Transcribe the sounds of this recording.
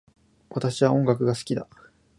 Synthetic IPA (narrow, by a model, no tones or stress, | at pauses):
βat̪aɕiβaõ̞ŋɡak̬ɯ̟ɡasɨ̥kʲid̪a̰